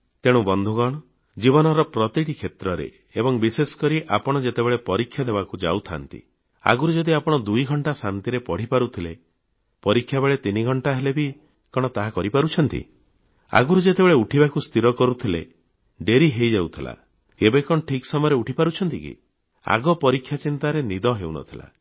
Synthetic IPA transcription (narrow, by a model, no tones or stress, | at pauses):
t̪eɽ̃ubɔnd̪ʱuɡɔɽ̃ɔ | d͡ʒiβɔnɔɾɔpɾɔt̪iʈikʰet̪ɾɔɾḛ | ebɔŋbisesɔ̥kɔɾiʔapɔɽ̃ɔd͡ʒet̪ebeɭepɔɾikʰjad̪ebakud͡ʒa̰wt̪ʰa̰nt̪ḭ | a̰ɡuɾud͡ʒɔd̪iapɔɽ̃ɔd̪ujɡʱɔɳʈasant̪iɾepɔɽ̤ipaɾut̪ʰile | pɔɾikʰːjabeɭet̪iniɡʱɔɳʈaɦelebi | kɔɽ̃ɔt̪aɦakɔɾipaɾut͡ʃʰɔnt̪ḭ | a̰ɡuɾud͡ʒet̪ebeɭeuʈʰibakust̪iɾɔkɔɾut̪ʰilḛ | ɖeɾiɦejd͡ʒawt̪ʰila̰ | kebekɔɽɔʈʰiksɔmɔjɔɾeuʈʰipaɾut͡ʃʰɔnt̪ikḭ | a̰ɡɔpɔɾikʰːjat͡ʃint̪aɾenid̪ɔɦeunɔ̰t̪ʰila̰